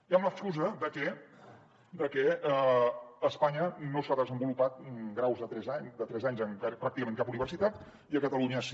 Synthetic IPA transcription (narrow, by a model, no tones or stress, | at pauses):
jamməskuzəðəkɛ | d̪əkɛəəspaɲənosaðəzəmbulupat̪̚ɡɾawzðət̪ɾɛzaɲd̪ət̪ɾɛzaɲzəŋkapɾak̚t̪ikəmẽŋkapuniβ̞ərsit̪at̪ | iəkət̪əluɲəs